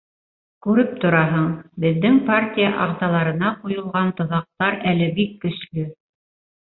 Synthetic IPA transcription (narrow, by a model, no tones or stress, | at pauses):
kʉɾɘp̚t̪ŏɾɑɦɤɴbɘ̆ðːɘŋpartʲijaʔɑʁzɑlˠɑɾɤ̆nɑqujŏlˠʁɑnt̪ŏðɑq̚t̪ɑɾælɘbikːɵ̆ʃlɵ